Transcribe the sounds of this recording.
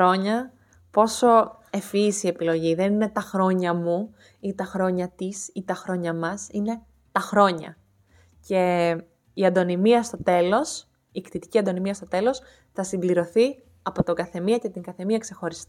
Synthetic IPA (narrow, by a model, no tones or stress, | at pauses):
ɾo̞ɲɐ | po̞so̞ | e̞fisie̞pilo̞ʝiðe̞nine̞t̪ɐxɾo̞ɲɐmu | it̪ɐxɾo̞ɲɐt̪isit̪ɐxɾo̞ɲɐmɐsine̞ | t̪ɐxɾo̞ɲɐ̰ | ce̞ | iɐd̪o̞nimiɐst̪o̞t̪e̞lo̞s | ikt̪it̪i̥ciɐnd̪o̞nimiɐst̪o̞t̪e̞lo̞s | θɐsimbliɾo̞θi | ɐpo̞t̪o̞ɡɐθe̞miɐce̞t̪iŋɡɐθe̞miɐkse̞xo̞ɾist̪i